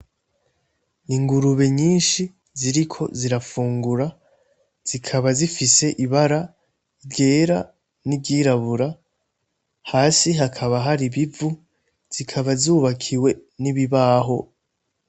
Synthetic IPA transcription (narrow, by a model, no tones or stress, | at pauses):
iŋɡuɾuβe̞ɲiːnʃi | ziɾikʰo̞̰ziɾafuːŋɡuɾa | z̥ikʰaβazifise̞ʔiβaɾa | ibɟe̞ːɾa | nibɟiːɾaβuɾa | haːsiɦakʰaβaɦaɾiβivu | z̥ikʰaβazuːβakʰiwe̞niβiβaɦo̞